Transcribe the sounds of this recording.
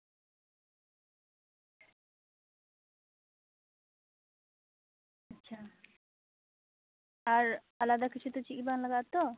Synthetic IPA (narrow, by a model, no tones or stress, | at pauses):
atːɕʰa | aɾ | alad̪akit͡ɕʰut̪ot͡ɕikit̪̚banlaɡat̪ːo